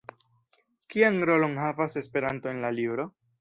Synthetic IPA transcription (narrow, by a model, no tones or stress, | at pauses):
kianɾo̞lo̞nɦavase̞spe̞ɾantoenlalibɾo̞